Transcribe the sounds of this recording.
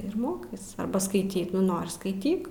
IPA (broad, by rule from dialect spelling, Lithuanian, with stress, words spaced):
ɪr ˈmoːkɐɪs ɐrˈbɐ skɐɪˈtʲiː ˈnoːrʲɪ skɐɪˈtʲiːk